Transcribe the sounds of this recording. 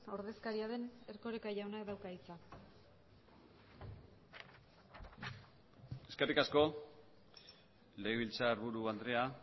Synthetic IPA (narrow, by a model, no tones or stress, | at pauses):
o̞ɾðe̞skaɾiaðe̞ne̞ɾko̞ɾekaʝawnaeðawkait͡sa | e̞skerikasko̞ | le̞eβilt͡saeɾβuɾuand̪ɾe̞a